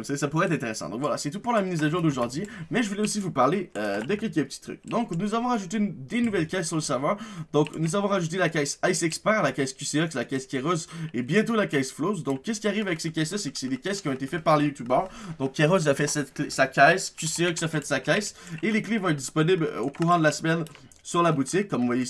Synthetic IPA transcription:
saesapuʁɛt̪χɛ̃t̪eʁesɑ̰d̪ɔ̰̃kvwala̰sɛt̪upuʁlaminizaʒjɔ̃d̪oʒɔʁd̪ɥimɛʒəvulɛosivupaʁleød̪əkʲɛlkəpə̥t̪ʰi̥t̪χy̰k̚d̪ɔ̃knuzavɔ̃ʁaʒut̪end̪enuvɛlkʲɛsːyʁləsavɑ̃d̪ɔ̃knuzavɔ̃ʁaʒut̪̬elakʲajsajsɛkspɛ̃lakajskʲyseɔkslakʲaskʲɛʁɔzebjɛ̃t̪olakʲajsflozd̪ɔ̃kʲːɛskʲiaʁivavɛksekʲajslasɛksɛd̪ekʲɛskʲiɔ̃et̪efɛt̪̚paʁlejut̪ybœʁd̪ɔ̃kʰʲːeʁoziafɛsɛt̪klesakʲajskʲyseœksafɛt̪sakʲajseleklevɔ̃ɛt̪̚d̪ispɔniblokuʁɑ̃d̪əlasəmɛn | syʁlabut̪ikːɔmvwaje

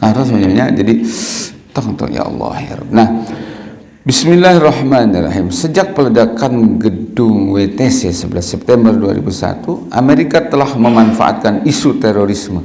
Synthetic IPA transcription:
kaɾasaɲaɲad͡ʒadi | t̪ɔŋt̪ɔ̰ʔja̰ʔɑ̰lːɑ̰ha̰ɾɔ̰b̚nah | bismilːaɦrɑhmanirɑ̰ɦimsəd͡ʒak̚pələdakanɡədʊŋwet̪ɛsasəbəlasɛp̚t̪ɛmbərdua̰ɾḭbusa̰t̪uʔa̰meɾikat̪əlahməmanfa̰ʔa̰t̪̚kanisut̪eɾoɾismə

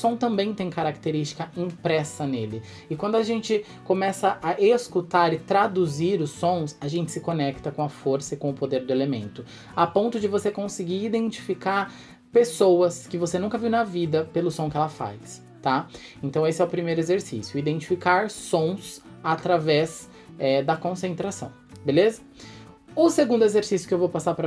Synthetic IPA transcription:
ʊsõt̪ɐ̃mbẽj̃t̪ẽj̃kaɾak̚t̪eɾist͡ʃi̥kɐĩpɾɛsɐnelɪ | ɪkwɐ̃nd̪ʊaʒẽnt͡ʃɪ | kõmɛsɐʔːʔeskut̪aɾɪt̪ɾad̪uziɾʊsõsɐʒẽnt͡ʃɪ̥sɪkonɛkt̪ɐkõɐfoɾsɐɪkõʊpod̪eɾd̪ʊelemḛ̃nt̪ʊ | apõnt̪ʊd͡ʒɪvosekõsɪɡiid̪ẽnt͡ʃi̥fikaɾ | pesowɐskɪvosenũŋkɐviwnɐvid̪ɐpelʊsõkɪɛlɐfa̰js | t̪a | ẽnt̪ɐ̃w̃esɪɛʊpɾimejɾʊezeɾsḭsjʊid̪ẽnt͡ʃi̥fikaɾsõw̃s | at̪ɾavɛz | ɛd̪ɐkõsẽnt̪ɾasɐ̰̃w̃belezɐ | ʊseɡũnd̪ʊezeɾsisjʊ̥kɪewvowpasaɾpɾɐ

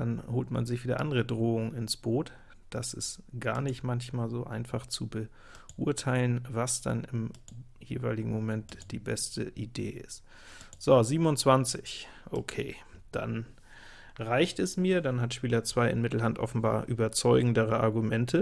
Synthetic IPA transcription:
d̥anhoːltma̰nzɪçv̥iːdɐ̰ʔa̰ndəʁədʁoːʊŋənɪnsb̥oːt | d̥asɪstɡ̥aːɐnɪçtmançmaːlzoːʔa̰ɪnfaχt͡subə | ʔuɐtʰaɪlənvasd̥a̰nɪm | jḛːvaɪlɪɡŋ̩momɛntd̥iːbɛstəʔidḛːɪ̰st | z̥oziːbm̩ʊnt͡sv̥ant͡sɪç | ʔo̰kʰeːd̥a̰n | ʁaɪçtɛsmiːɐdanɦatʃpiːlɐt͡sv̥aɪɪnmɪtl̩ɦantʔɔ̰fn̩ba̰ːɐʔyːbɐt͡sɔʏɡŋ̩dəʁəʔa̰ɐɡumɛntʰə

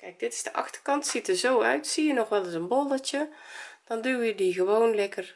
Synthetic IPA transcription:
kɛjk̚d̥ɪtɪ̥zdəʔɑ̰xtərkɑntsitəzoːœ̰ɥtsiːənɔxʋɛlˠəsənbolˠətjəd̥ɔnduwjədiɣəʋoːnlɛkər

